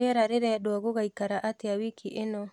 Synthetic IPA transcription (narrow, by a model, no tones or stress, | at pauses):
ɛɾaɾeɾɛɗoaɣoɣaikaɾaʔatɪawikiʔenɔ